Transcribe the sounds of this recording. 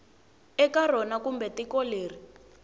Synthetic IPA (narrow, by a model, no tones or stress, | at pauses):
ɛkar̤ɔnakumbɛtikɔleːri